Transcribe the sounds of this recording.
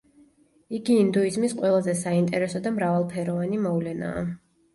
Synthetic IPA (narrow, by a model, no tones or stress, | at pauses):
iɡiːnd̪uizmisqʼwɛlˠazɛsaint̪ʼɛɾɛsɔd̪amɾavalˠpʰɛɾɔvanimɔvlɛna̰ː